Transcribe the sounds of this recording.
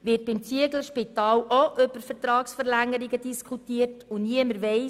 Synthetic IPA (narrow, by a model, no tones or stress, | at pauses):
ʋɪt̚b̥ɪmt͡siəɡləʃpitɑːloʔʏb̥əɾfəɾtɾɑːksfəɾlæŋːəɾiɡədiskʰutiətuniəməɾʋɛɪ